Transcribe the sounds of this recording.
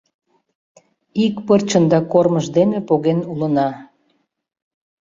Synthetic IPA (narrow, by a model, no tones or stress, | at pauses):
ikpərt͡ɕənd̪ɑkorməʒd̪enepoɣenulənɑ